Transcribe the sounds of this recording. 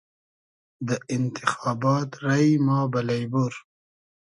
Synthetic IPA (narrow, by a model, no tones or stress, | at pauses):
d̪əʔɪnt̪ɪxɑːbɑt̪ɾajmɑːbalajbuɾ